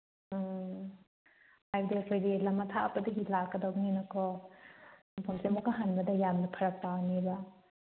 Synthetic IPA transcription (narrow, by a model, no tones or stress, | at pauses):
hajbdiɐkʰojdilɐmːɐt̪ʰapɐdɐɡilakːɐdawŋenɐkʰɔ | mɐpʰɐmsemokaɦanbɐdɐjamnɐpʰɐɾɐk̚tawnibɐ